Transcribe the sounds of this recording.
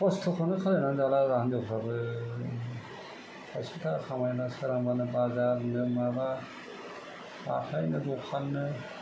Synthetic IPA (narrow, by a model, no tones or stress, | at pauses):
pɔstʰɔkʰɔnɯkʰalenanzalazandɔkʰɾabɯ | hɔspitʰakʰamajnasaɾamanɯbazaɾnɯmaba | ba̰tʰajnɯdɔkʰanːɯ